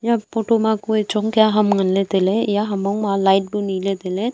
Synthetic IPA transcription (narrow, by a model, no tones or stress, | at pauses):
japoːʈomakuet͡ʃoŋkjaɦɐmɡənlet̪elejaɦɐmaũmalaɪʈ̚biniːlet̪ele